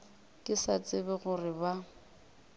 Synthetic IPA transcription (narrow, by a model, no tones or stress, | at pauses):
kʼɪsat͡sʼɪbɪɣʊrɪba